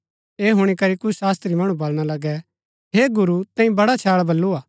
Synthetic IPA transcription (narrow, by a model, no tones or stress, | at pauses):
eːɦʊɽ̃ikɐɾikʊt͡ʃʰsaːst̪ɾimɐɽ̃ũbɐlɽ̃alɐɡɛ | ɦeːɡʊɾut̪ɛ̃ːĩbɐɽat͡ʃʰaːɭbɐlːuaː